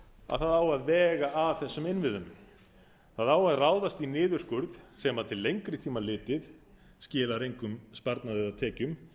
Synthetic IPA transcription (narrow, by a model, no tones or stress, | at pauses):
a̰ðθaðawaðvɛːɣaʔːθɛsːʏmɪnvɪðʏm | θaðawaðraːwðast̪inɪːðʏɾ̥skʏɾðsɛːmat̪ʰɪlːejŋkɾɪt̪ʰiːmalɪːt̪ɪð | scɪːlaɾejŋkʏmspaɾt̪naðɪat̪ʰɛːcʏm